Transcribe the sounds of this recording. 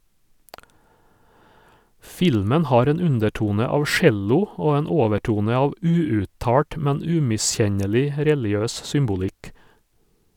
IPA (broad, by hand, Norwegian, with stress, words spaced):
ˈfɪlmən ˈhɑːɾ ˈeːn ˈʉndɛˌʈuːnə ˈɑːʋ ˈʃɛlʊ ˈoː ˈeːn ˈoːʋəˌʈuːnə ˈɑːʋ ˈʉːʉːˌtɑːʈ ˈmɛn ˈʉːmɪˌsçɛɲɛlɪ ˈɾɛlɪˌøːs ˈsʏmbʊlɪk